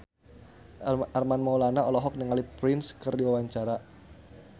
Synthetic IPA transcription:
armanmɔulanaɔlɔɦɔk̚nəŋalipɾɪnskərdiwawaɲt͡ʃaɾa

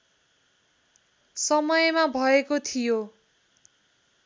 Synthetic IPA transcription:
sʌmʌjmabʱʌekot̪ʰijo

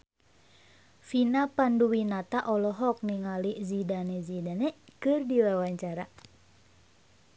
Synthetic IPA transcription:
finapanduwinat̪aʔɔlɔɦɔk̚niŋalizidanɛzidanɛkɨrdiwawaɲt͡ʃaɾa

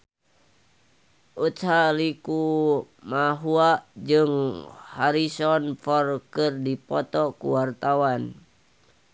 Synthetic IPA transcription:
ʔut̪saliku | maɦuaʔd͡ʒɨŋhaɾisɔnfɔrkɨrdipɔt̪ɔkṵwart̪awan

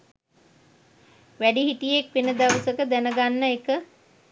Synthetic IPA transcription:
ʋæɖiɦiʈijek̚ʋenəd̪aʋwəsəkəd̪ænəɡanːəekə

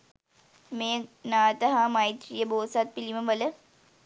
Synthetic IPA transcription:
meːnaːt̪əɦamɐjt̪rijəboːsat̪̚piliməʋələ

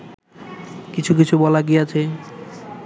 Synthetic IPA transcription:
kit͡ɕʰukit͡ɕʰubɔlaɡijat͡ɕʰe

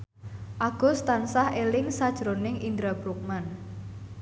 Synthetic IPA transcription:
ʔaɡ̥ɔ̤st̪ansahelɪŋsad̥ʒ̥ɾonɪŋind̪ɾab̥ɾuk̚man

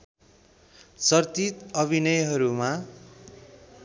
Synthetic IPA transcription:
t͡sʌrt̪it̪ʌbʱinʌjɦʌɾuma

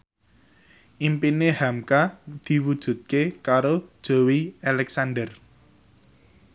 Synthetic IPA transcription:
ʔimpinehamkad̪̥i̤wud̥ʒ̥ṳt̪̚kekaɾod̥ʒ̥o̤wialɛksanɖər

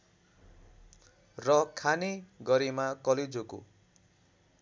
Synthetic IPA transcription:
rʌkʰaneɡʌɾimakʌled͡zoko̰

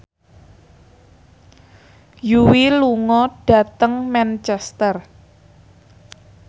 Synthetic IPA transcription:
juwiluŋɔɖ̥ä̤t̪əŋmɛnt͡ʃɛst̪ər

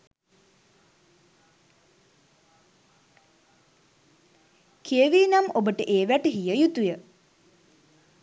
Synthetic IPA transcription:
kʰiəʋiːnamobəʈəʔeːʋæʈəɦijəjut̪ujə

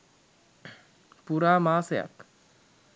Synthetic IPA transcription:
puɾaːmaːseja̰k

